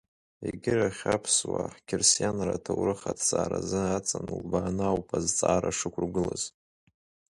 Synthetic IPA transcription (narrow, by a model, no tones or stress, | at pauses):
eɡʲɪraχʲapʰswaħkʲʰɪrsjanratʰawrɨχatʰsaːɾazɨat͡sʼanulbaːnawpʰʼazt͡sʼaːɾaʂɨkʷʰrɡʷɨlaz̥